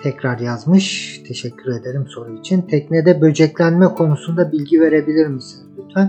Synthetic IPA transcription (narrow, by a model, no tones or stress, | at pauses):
t̪ʰɛcɾaɾjazmɯʃt̪ʰe̞ʃɛcʰːyɾe̞d̪e̞ɾimso̞ɾuit͡ʃʰint̪ʰɛc̚ned̪ɛbø̞d͡ʒɛclʲænmɛkʰo̞nusund̪abilʲɟive̞ɾe̞bilʲiɾmisizbyt̪ʰæn